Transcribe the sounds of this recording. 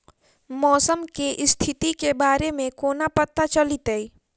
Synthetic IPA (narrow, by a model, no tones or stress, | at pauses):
mɔːsəmkeʔst̪ʰit̪ikebaːɾemẽkoːnapət̪ːat͡ʃəlit̪əi